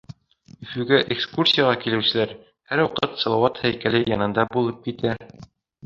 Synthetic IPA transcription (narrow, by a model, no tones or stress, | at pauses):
ɵ̆fʉ̆ɡæʔekskursʲijɑʁɑkilɘ̆wsɘ̆læɾ | hæɾwɑqɤt̪sɑlˠɑwɑt̪hæjkælɘjɑnɤ̆nd̪ɑbulˠɤp̚kit̪æ